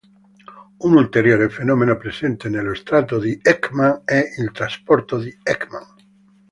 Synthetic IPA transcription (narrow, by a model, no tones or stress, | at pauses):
unult̪eɾjoɾefenomẽnopɾesẽnt̪enelost̪ɾat̪oðiekmãŋeʔelt̪ɾaspoɾt̪oðiekmãŋ